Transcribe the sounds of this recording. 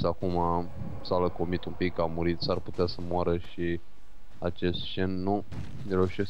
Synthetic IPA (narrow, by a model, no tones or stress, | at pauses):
sakuma | saləkomit̪umpikːamuɾit̪sarput̪easəmoaɾəʃi | at͡ʃe̞st̪t͡ʃe̞nːu | nɾeuʃe̞s